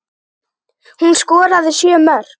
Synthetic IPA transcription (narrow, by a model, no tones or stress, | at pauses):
hunskɔːɾaðɪsjœːmœɾ̥